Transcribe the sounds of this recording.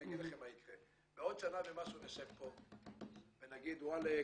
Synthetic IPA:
aɡid̪aχemaikʁe | beɔd̪t͡ʃanavemasuvesepːo | venaɡid̪wale

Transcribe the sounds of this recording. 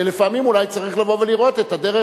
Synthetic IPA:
lefamimulajt͡saʁiχlavo̞veliʁo̞t̪et̪adeʁe

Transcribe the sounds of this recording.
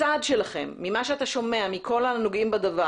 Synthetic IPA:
ad̪ʃelaχe̞̰mːimaʃeataʃo̞me̞amikʰo̞lanoɡʔimbad̪ava

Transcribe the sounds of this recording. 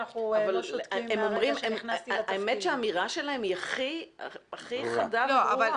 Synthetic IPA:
aχuavalemomʁimemnaemetʃeaːmiʁaʃelaemiaχḭaχiχad̪avoaval

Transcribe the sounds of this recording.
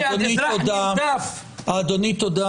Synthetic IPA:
d̪onit̪od̪a | aːd̪onit̪od̪a

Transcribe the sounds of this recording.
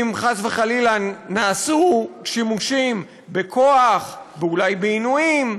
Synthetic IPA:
mχasveχalilanaːsuʃimuʃim | bekʰo̞aχbeulajbeinuim

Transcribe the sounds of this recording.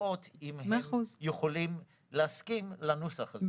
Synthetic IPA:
ot̪imhmeaχuzjeχolim | leaskimlanusaχa

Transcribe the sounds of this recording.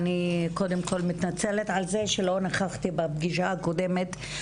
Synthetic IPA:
niko̞d̪emko̞lmitnat͡seletʕalzeʃelo̞naχaχt̪ibabɡiʃaako̞de̞met̪

